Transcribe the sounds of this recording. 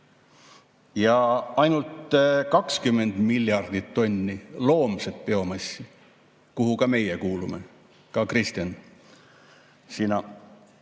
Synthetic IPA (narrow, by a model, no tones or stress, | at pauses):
jɑɑjnult̪kɑkskymːe̞nd̪̥milʲːjɑrd̪̥it̪ːo̞nʲːilo̞ːmset̪̚peo̞mɑsi | kuɦukɑme̞jekuːlumḛ | kɑkrist̪jɑn | sinɑ